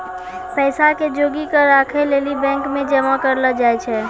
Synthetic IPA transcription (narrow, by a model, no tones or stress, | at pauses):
pɛɪsaked͡ʒoːɡikəɾakʰeleːlibɛ̃ŋkmẽd͡ʒəmakəɾləd͡ʒajt͡ʃʰɛ